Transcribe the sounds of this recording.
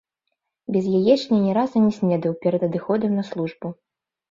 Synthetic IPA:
bʲɛzjajɛʂnʲɛnʲɛɾazɐnʲɛsʲnʲɛd̪ɐwpʲɛɾɐd̪ɐd̪ɨxɔd̪ɐmnɐslˠuʐbu

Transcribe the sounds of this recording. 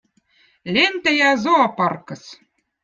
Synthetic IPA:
lʲent̪æjɑzoɑpɑrkɤ̆s

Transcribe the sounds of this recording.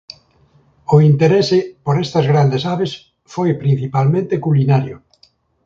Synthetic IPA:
ʊint̪eɾesɪpoɾɛst̪ɐzɣɾand̪esaβes | fojpɾin̟θipalmẽnt̪ekulinaɾjʊ

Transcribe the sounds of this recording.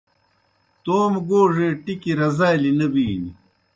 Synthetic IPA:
t̪oːmɡoːʐeːʈikiɾɐzaːlinɐbiːnḭ

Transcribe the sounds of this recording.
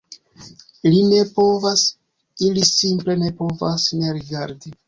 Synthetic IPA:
line̞po̞vas | ilisimple̞ne̞po̞vasne̞ɾiɡaɾdi

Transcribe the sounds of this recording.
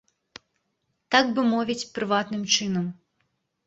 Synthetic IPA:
t̪aɡbɨmɔvʲit͡sʲpɾɨvat̪nɨmt͡ʂɨnɐm

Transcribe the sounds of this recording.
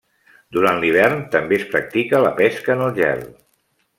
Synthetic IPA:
d̪uɾanliβ̞ɛrnt̪əmbespɾək̚t̪ikələpɛskəːnəlˠʒɛ̰r

